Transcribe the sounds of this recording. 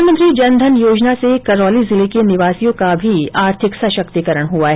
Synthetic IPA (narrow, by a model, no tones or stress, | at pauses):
nmə̃nt̪ɾid͡ʒɐnd̪ʱənjoːd͡ʒnasekɐɾɔːlizɪlekenɪʋaːsijõkabʱiaːɾt̪ʰɪksɐʃɐkt̪ikəɾəɽ̃ɦuaɦɛ